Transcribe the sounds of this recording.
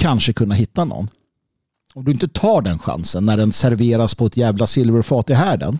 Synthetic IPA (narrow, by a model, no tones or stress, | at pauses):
kʰanʂəkʰɵnːaɦɪt̪ːanɔ̰nː | ɔmd̪ɵɪnt̪ət̪ʰɑːɖɛnɧa̰nsənːæɖɛnsæɾveːɾaspʰɔɛt̪jæːvlasɪlvəɾfɑːt̪ɪɦæːɖə̰n